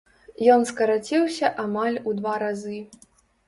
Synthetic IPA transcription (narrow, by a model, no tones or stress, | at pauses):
jɔnskɐɾat͡sʲiwsʲɐʔamalʲud̪vaɾazɨ